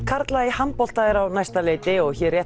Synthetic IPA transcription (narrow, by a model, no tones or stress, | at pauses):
kʰaɾt̪laihanppɔl̥t̪aðɪɾawnajst̪aleːjt̪ɪɔɣçɛrjɛ